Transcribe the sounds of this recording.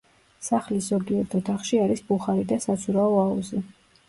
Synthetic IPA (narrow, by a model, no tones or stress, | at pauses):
saχliszɔɡiɛɾt̪ʰɔt̪ʰaχʃiaɾisbuχaɾid̪asat̪sʰuɾaɔauzi